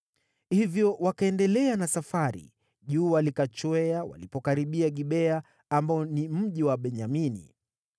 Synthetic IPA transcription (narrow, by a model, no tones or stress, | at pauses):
hivjɔwakaɛndɛlɛanasafaɾḭ | ʄuːwalikat͡ʃwɛawa̰lipɔkaɾiɓiaɠiɓɛa | ambaɔnim̩ʄiwaɓɛɲaminḭ